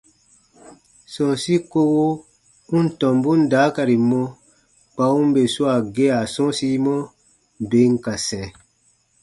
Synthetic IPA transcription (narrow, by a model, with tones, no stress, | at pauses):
sɔ̃˨si˦ko˧wo˦ | ũ˦n̩˦tɔ̃˨mbũ˦n˦da˨˦ka˨ɾi˨mɔ̃˧ | k͡pa˧˦ũ˦be˨su˦a˨ɡe˦a˨sɔ̃˦si˦mɔ̃˦ | be˨˦ŋ̩˦˨ka˨sɛ̃˨